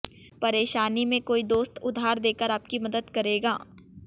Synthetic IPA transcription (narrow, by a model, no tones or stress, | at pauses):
pɐɾeːʃaːnimẽkoːid̪oːst̪ʊd̪ʱːaːɾd̪eːkəɾaːp̚kimɐd̪əd̪kɐɾeːɡaː